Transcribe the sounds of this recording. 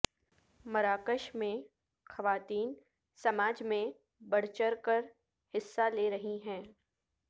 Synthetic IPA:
mɐɾaːkəʃmẽ | xɐʋaːt̪iːn | sɐmaːd͡ʒmẽ | bɐɽ̤t͡ʃəɾkəɾ | hɪsːaleːɾɐɦiɦɛ̃ː

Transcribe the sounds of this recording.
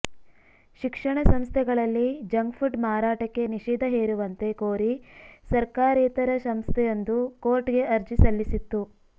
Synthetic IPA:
ʃikʂɐɳɐsɐmst̪ʰɛɡɐɭɐlːid͡ʒɐŋɡfʰuɖmaːɾaːʈɐkːe̞niʂiːd̪ʱɐɦeːɾuʋɐnt̪e̞koːɾisɐɾkaːɾɛːt̪ɐɾɐsɐmst̪ʰɛjond̪uko̞ːɾʈɡe̞ʔɐɾd͡ʒisɐlːisit̪ːu

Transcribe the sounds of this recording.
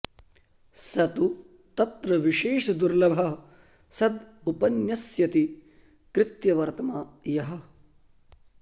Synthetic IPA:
sɐt̪u | t̪ɐt̪ɾɐʋiʃeːʂɐd̪uɾlɐbʱɐɦɐ | sɐd̪upɐnjɐsjɐt̪i | kɾɪt̪jɐʋɐɾt̪ɐmaːjɐɦɐ̆

